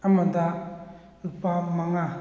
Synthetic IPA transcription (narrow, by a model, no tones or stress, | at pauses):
amand̪a | lupamaŋa